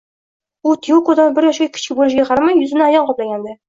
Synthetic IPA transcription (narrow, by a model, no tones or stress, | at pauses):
ut̪ʰijokod̪ɑnbɪɾjɒʃʲakʲʰɪ̥t͡ɕʰkʲɪbolɪʃ̬ɡʲaqʰɑɾamajːɵzɪnɪajɒɴqɒplaɡʲand̪ɪ